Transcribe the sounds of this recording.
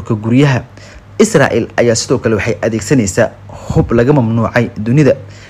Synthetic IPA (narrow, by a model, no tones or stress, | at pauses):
rkʰɐɡuɾjɐɦɐ | ɪsra̰ːʔḭːlʔɐjaːsɪðɔːkʰɐlɛwɑħɑjʔɐðɛːɡsɐnɛjsaː | hʊblɐɣɐmɐmnuːʕɑjd̪ʊnɪðɐ